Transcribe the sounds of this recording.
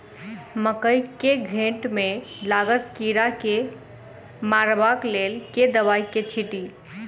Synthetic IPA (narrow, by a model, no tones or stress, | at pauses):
məkəjkeɡʱẽʈmelaɡət̪kiɾake | maɾbaklelked̪əβajket͡ʃʰiʈi